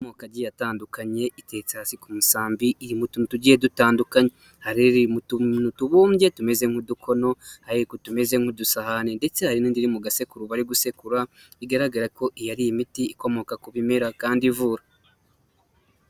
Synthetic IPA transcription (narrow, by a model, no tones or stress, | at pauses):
komo̞kaɟijataːndukaɲe̞ʔite̞ːt͡sehasikumusaːmbiʔiɾimututuɟije̞dutaːndukaɲe | haɾiɾimutunutuβuːmɟe̞tume̞ze̞ŋ̥hudukʰo̞no̞haɾekotume̞ze̞ŋ̥hudusahanende̞t͡se̞haɾiniːndiɾimuɡase̞kuɾuβaɾiɡuse̞kuɾa | iɡaɾaɡaɾako̞ʔijaɾijimitiːko̞mo̞kakuβimeɾakaːndivuːɾa